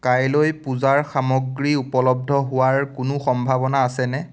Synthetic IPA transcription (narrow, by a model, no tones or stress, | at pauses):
kajlojpʊzaɹxamɔɡɹiupɔlɔb̚dʱɔɦʊwaɹkʊnʊxɔmbʱabɔnaːsɛnɛ